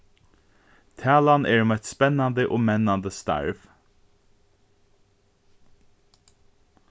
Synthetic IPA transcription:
t̪ʰæːlanʔɛːɹmɛt̪spɛnand̪əʔoːmɛnand̪əst̪a̰ɹʋ

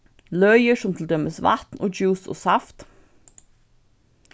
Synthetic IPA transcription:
lœʏəʃɔmt̪ʰl̩d̪œməsʋɑ̰t̪nʔo̰ːd͡ʒʉːso̰ːsɑft̪

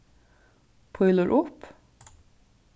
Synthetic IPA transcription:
pʰɔʏləɾʔʊp

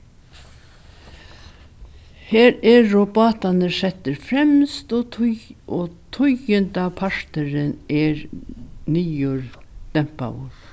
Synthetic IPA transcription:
heːɾɛːɔbɑːt̪anəsɛt̪əɾfɾɛmst̪ɔ | ɔt̪ʰʊjənt̪apʰaʂt̪əɾɪnɛɾniːjʊɾd̪̥ɛmpa̰wʊ̰ɾ̥

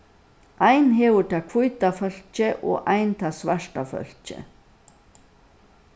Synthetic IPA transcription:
ajnɦɛːʋʊt̪ʰakʰvʊjt̪afœl̥t͡ʃɪʔɔ̰ʔajnt̪ʰasʋaʂʈafœ̰l̥t͡ʃɪ̰

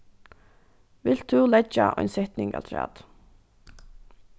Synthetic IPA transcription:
ʋɪl̥t̪ʰːʉlɛt͡ʃːaʔɔ̰jnsɛht̪nɪŋɡa̰lt̪ʰɹæ̰ːt̪

